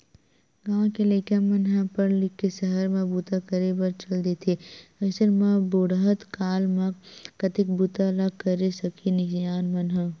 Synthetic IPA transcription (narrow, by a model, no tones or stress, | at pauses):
ɡãːkeleːkamɐnɦãpɐɾlɪkːesəɦəɾmãbuːt̪akəɾebɐɾt͡ʃɐld̪et̪ʰeɐsəɾmãboːɽɦət̪kaːlmãkɐt̪ɪk̚but̪alakɐɾesɐkʰinɪkd͡ʒaːnmɐnɦa